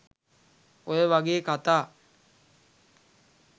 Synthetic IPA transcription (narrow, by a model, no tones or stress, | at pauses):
ojəʋaɡeːkat̪aː